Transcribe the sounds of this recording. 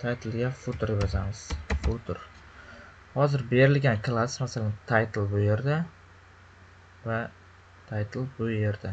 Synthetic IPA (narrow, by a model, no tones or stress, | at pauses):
t̪ʰajt̪ʰɪlˠɡʲafʊt̪ʰʊɾd̪ɪbɒzamɪz̥fʊt̪ʰʊɾ | hɒzɪɾbe̞ɾɪlɡʲankʰlˠasmasalant̪ʰajt̪ʰɪlˠbʊje̞ɾd̪a | va | t̪ʰajt̪ʰɪlˠbʊje̞ɾd̪a